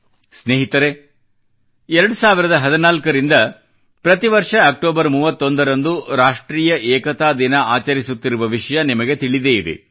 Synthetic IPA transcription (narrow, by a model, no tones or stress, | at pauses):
sneːɦit̪ɐɾe | ɛɾɐɽusaːʋiɾɐd̪ɐɦɐd̪inaːlkɐɾind̪ɐ | pɾɐt̪iʋɐɾʂɐːk̚ʈoːbɐɾmuːʋɐt̪ːo̞nd̪ɐɾɐnd̪uɾaːʂʈɾiːjɐʔɛːkɐt̪aːd̪inɐaːt͡ʃɐɾisut̪ːiɾuʋɐʋiʂɐjɐnimɐɡe̞t̪iɭid̪e̞id̪ḛ